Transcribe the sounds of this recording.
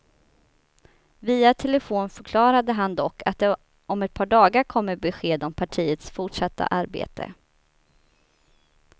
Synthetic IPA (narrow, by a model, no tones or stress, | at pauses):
viːat̪ʰɛləfoːnfœɾkʰlɑːɾad̪əɦand̪ɔkːa̰t̪̚d̪ɛ | ɔmɛt̪̚pʰɑːɖɑːɡaɾkʰɔmːəɾbɛɧeːd̪ɔmpʰaʈʰiːət̪sfʊʈʂat̪ʰːa̰ʔaɾbḛːt̪ʰə̰